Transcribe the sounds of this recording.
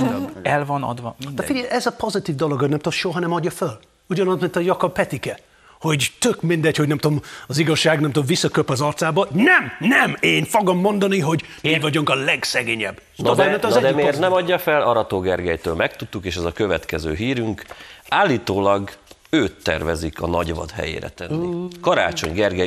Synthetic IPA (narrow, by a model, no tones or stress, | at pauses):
ɛlvɒnɒ̰d̪ʋɒd̪ɛfiɛʔɛzɒpo̞zit̪iːvd̪oloɡɒɟnɛmt̪omʃoɦɒnɛmɒɟːɒføl | uɟɒnɒst̪mint̪ɒjɒkɒbpːɛt̪ikɛ | ho̞ɟt̪økmind̪ɛcho̞ɟnɛmt̪omɒziɡɒʃːaːɡnɛmt̪omvisːɒkøpɒzɒrt̪saːbɒnɛmnɛmeːnfo̞ɡomːo̞nd̪ɒniɦo̞ɟ | miːvɒɟuŋkɒlɛɡsɛɡeːɲɛb̪ːɔvɛmɛt̪ːɛd̪ɛmeːt̪nɛmɒdɟːɒfɛlɒɾɒt̪oːɡɛrɡɛjt̪øːlmɛk̚t̪ut̪ːukeːʃɛzɒkøvɛt̪kɛzø̰ːɦiːɾyŋkaːlːiːt̪oːlɒɡ | øːt̪ːɛ̰rvɛzikɒnɒɟvɒ̰d̪ɦɛ̰jḛːɾɛ̰t̪ɛnːikɒɾa̰ːt͡ʃo̞̰ɲɡɛrɡɛ